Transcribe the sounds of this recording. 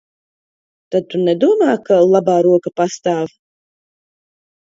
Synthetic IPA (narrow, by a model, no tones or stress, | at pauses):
t̪ad̪̚t̪unɛd̪uɔmaːkalˠabaːɾuɔkapast̪aːv